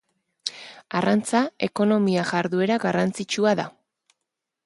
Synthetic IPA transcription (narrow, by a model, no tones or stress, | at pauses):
arant͡sae̞ko̞no̞miaʝaɾðue̞ɾaɣarant͡sit͡ʃuaða